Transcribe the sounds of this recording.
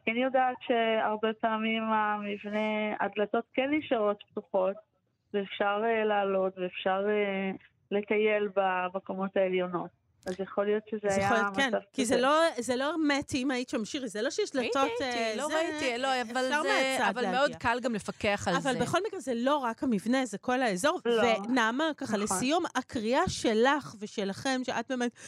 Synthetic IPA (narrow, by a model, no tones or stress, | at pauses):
kɛnjodaːtʃeaʁbepaːmimamivnea̰dlato̞tkenjiʃaʁo̞t̪p̚tuχo̞t | veːfʃaʁelaːlo̞tveːfʃaʁe | lekajelbamekomo̞taeljo̞no̞t̚ | azjaχo̞lijo̞tʃezejajaoljomkenakizelozelo̞eʁmetimaitʃamʃiʁizelo̞ʃeʃlato̞teloait̪ilojavalaʁmaat͡saadvalameokalɡamlefakeaχalavalbeχo̞lmiɡʁezeloʁakhamivne̞zeko̞laezo̞ʁlvenamakaχalesijumakʁiaʃe̞laχveʃe̞laχe̞mʃeʔat̚be̞ːmet